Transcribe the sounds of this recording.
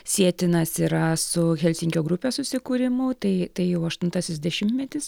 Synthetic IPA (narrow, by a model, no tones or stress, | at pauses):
sʲiɛt̪ʲɪnɐsiːɾɐsʊxʲɛlʲsʲɪŋʲkʲoːɡɾʊpʲeːsʊsʲɪkuːɾʲɪmʊt̪ɐɪt̪ɐɪjɛʊɐʃt̪ʊnt̪ɐsʲɪsd̪ʲɛʃʲɪmʲt̪ʲmʲɛt̪ʲɪs